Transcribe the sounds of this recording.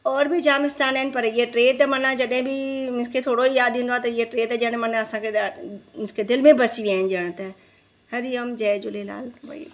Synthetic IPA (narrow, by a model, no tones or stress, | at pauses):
ɔːɾbʱid͡ʒaːmɪst̪aːnɛːɪn̆pɐɾɪeʈɾeːt̪ɐmɐnãd͡ʒɐɗɦɪ̃bʱiɪskʰet̪ʰoːɽoijaːd̪ĩnd̪oaːt̪ɐɪeʈɾeːt̪ɐd͡ʒəɽ̃mɐnɐsãkʰeɪskʰed̪ɪlmẽbɐsiʋiaːɦɪnd͡ʒəɽ̃t̪ɐ | hɐɾijɐmd͡ʒɛːd͡ʒʊlela̰ːlbɐ̰i